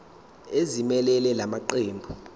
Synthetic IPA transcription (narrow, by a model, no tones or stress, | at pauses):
ezimɛlɛlɛlamaǃeːmbʱu